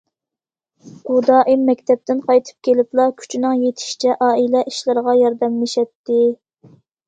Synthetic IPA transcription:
ud̪ɑʔimːɛkʲt̪ʰɛp̚t̪ɪnqʰɑjt̪ʰɨ̥p̚kʲʰelɪplˠɑkʲʰy̥t͡ʃʰnɪŋjet̪ʰɪ̥ʃi̥t͡ʃʰɛʔɑːilɛʔiʃlˠɨɾʁɑjɑɾd̪ɛmlɪʃɛt̪ːɪ

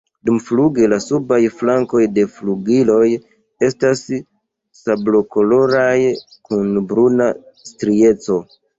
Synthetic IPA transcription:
dumfluɡelasubajflaŋko̞jde̞fluɡilo̞j | e̞stas | sablo̞ko̞lo̞ɾaj | kunbɾuna | stɾie̞t͡so̞

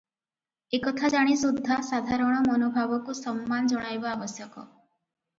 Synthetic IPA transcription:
ekɔt̪ʰad͡ʒaɽ̃isud̪ʱːasad̪ʱaɾɔɽ̃ɔmɔnobʱabɔkusɔmːand͡ʒɔɽ̃ajbaːbɔsjɔkɔ̰

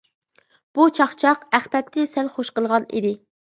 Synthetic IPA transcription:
b̥ut͡ʃʰɑχt͡ʃʰɑqæχpɛt̪ːɪsɛlχoʃqəlˠʁɑnḭd̪ɪ

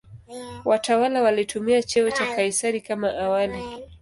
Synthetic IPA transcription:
wʔatawalawalitumiat͡ʃɛɔt͡ʃafaisaɾikamaʔawali

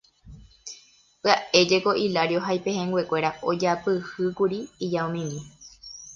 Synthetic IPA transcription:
pɨaʔe̞d͡ʒe̞ko̞ʔilaɾjoɦajpehẽŋɡwekʷe̞ɾaod͡ʒapɨhɨkuɾiːd͡ʒaõmĩmĩ

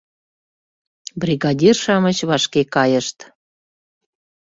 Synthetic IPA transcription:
briɣɑd̪ʲirʃɑmət͡ɕβɑʃkekɑjəʃt̪

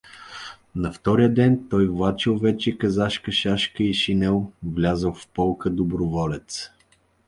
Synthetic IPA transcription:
nɐft̪ɔɾijəd̪ɛnt̪ɔjvlˠat͡ʃilˠvɛt͡ʃɛkɐzaʃkəʃaʃkəiʃinɛlˠvlʲazəlˠfpɔlˠkəd̪obɾʊvɔlɛt̪s

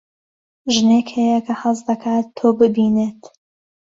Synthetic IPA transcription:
ʒnekhejɐkʰɐhɐzd̪ɐkʰaːt̪ʰːoːbɨbiːneːt̪

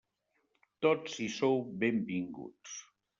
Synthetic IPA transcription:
t̪ot̪sisowbembiŋɡṵts

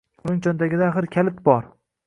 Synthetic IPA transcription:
ʊnɪŋt͡ʃʰɒnd̪aɡʲɪd̪aχɪɾkʲʰalɪt̪̚bɒɾ

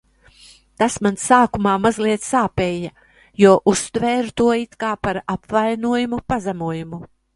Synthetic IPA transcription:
t̪asmansaːkumaːmazliɛt̪ssaːpeːja | juɔʔust̪vɛːɾt̪uɔit̪kaːpaɾapvajnuɔjumupazamuɔjumu

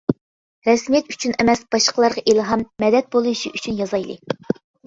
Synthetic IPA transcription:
ɾɛsmijɛt̪y̥t͡ʃʰynɛmɛsb̥ɑʃqəlˠɑɾʁɑʔilˠɦɑmːɛd̪ɛt̪̚bolˠuʃḭʔyt͡ʃʰynjɑzɑjlˠɨ̰

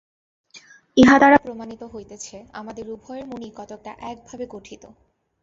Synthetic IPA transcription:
eɦad̪aɾapɾomanit̪oɦojt̪et͡ɕʰea̰mad̪eɾubʱɔeɾmunikɔt̪ok̚ʈaʔɛk̚bʱabekoʈʰit̪o

